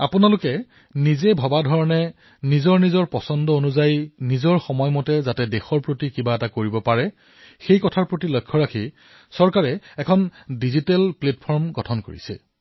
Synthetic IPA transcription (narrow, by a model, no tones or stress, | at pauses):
apʊnalʊkɛ | nizebʱɔbadʱɔɹɔnɛ | nizɔɹnizɔɹpɔsɔndɔonuzajnizɔɹxɔmɔjmɔtɛzatɛdexɔɹpɹotikibaɛtakoɹibɔpaɹɛ | xejkɔtʰaɹpɹotilojkʰːɔɹakʰi | sɔɹkaɹɛɛkʰɔndizitɛlplet̚pʰɔɹmɡɔtʰɔnko̰ɹḭsɛ̰